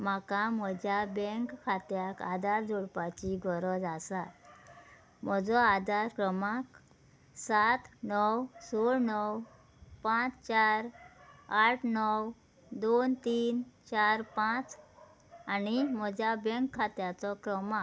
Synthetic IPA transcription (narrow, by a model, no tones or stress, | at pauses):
makam̤əd͡ʑʱjabɛŋkkʰːat̪jakad̪aɾd͡zuɽpat͡ɕiɡʱɔɾɔd͡zasat̪ | m̤ɔd͡zɔad̪aɾkɾəmak | sat̪nɔwsoɾnɔw | pãt͡st͡ɕaɾ | aʈʰnɔw | d̪ont̪iːnt͡ɕaɾpãt͡s | anim̤əd͡ʑʱjabɛ̃ŋkʰːat̪jat͡sɔkɾəmak